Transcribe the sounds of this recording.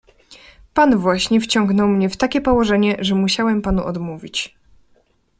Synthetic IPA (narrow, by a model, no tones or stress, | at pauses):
panvwaɕɲɛft͡ɕɔŋɡnɔwmɲɛft̪akʲɛpɔwɔʐɛɲɛʐɛmuɕawɛmpanuʔɔd̪muvʲit͡ɕ